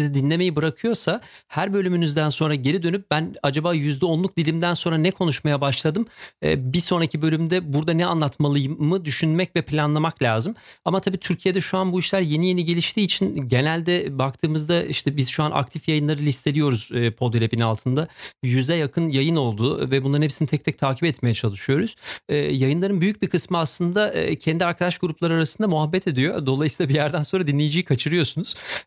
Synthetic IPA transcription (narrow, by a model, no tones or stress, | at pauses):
izid̪inlʲe̞me̞jibɯɾakʰɯjo̞ɾsa | hæɾbø̞lʲymynyzd̪ænso̞nɾaɟeɾid̪ø̞nyp̚bænad͡ʒabaːjyzd̪ɛonlˠuk̚d̪ilʲimd̪ænso̞nɾanɛkʰo̞nuʃmajabaʃlˠad̪ɯmɛ̰ːbiso̞nɾacʰibø̞lʲymd̪ɛbuɾd̪anɛa̰nlˠat̪malˠɯjɯmːɯd̪yʃynmɛcvɛpʰlʲanlˠamaklʲaːzɯmamat̪ʰabiːt̪ʰyɾcʰije̞d̪ɛʃuanbuiʃlʲæɾje̞nije̞niɟe̞lʲiʃt̪ʰiːt͡ʃʰinɟe̞nælʲd̪ɛbak̚t̪ʰɯːmɯzd̪aʔiʃt̪ʰɛbizʃuanʔa̰k̚t̪ʰifjajɯnlˠaɾɯlʲist̪ʰe̞lʲijo̞ɾuz̥ːpʰo̞d̪elʲepinalˠt̪ʰɯnd̪ajyzɛjakʰɯnjajɯno̞lˠd̪uːvɛbunlˠaɾnhepsinit̪ʰɛc̚t̪ʰɛc̚t̪ʰaːcʰipɛt̪me̞jɛt͡ʃʰalˠɯʃɯjo̞ɾuz̥ɛːjajɯnlˠaɾɯnbyjyc̚bikʰɯsmɯaslˠɯnd̪aʔːcʰɛnd̪iaɾkʰad̪aʃɡuɾuplˠaɾɯaɾasɯnd̪amuɦabːɛt̪ʰe̞d̪ijo̞d̪o̞lˠajɯsiːlˠabijæɾd̪ænso̞nɾad̪inlʲejid͡ʒijikʰat͡ʃʰɯɾɯjo̞sunuz̥